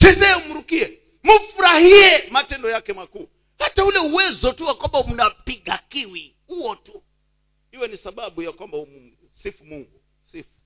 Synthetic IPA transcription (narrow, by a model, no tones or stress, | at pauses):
d͡ʒɛzɛɛumuɾukiɛ | mufuɾahiɛmatɛndɔjakɛmaku | hataulɛuwɛzɔtuwakwambam̩napiɡakiwi | uɔtu | iwɛnisaɓaɓujakwambaumu | sifumuŋɡu | sifu̥